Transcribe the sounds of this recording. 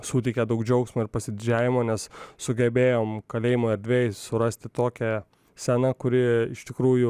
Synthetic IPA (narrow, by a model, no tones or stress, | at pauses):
suːt̪ʲɛɪkʲɛd̪ɐʊkd͡ʒʲɐʊksmoːɪɾpɐsʲɪd̪ʲɪd͡ʒʲæːʋʲɪmoːnʲɛssʊɡʲɛbʲeːjoːmkɐlʲeːjɪmoːɛɾʲd̪ʲʋʲeːjɪsʊɾɐsʲt̪ʲɪt̪oːkʲɛ | sʲɛnɐkʊɾʲɪɪʃt̪ʲɪkɾuːjʊ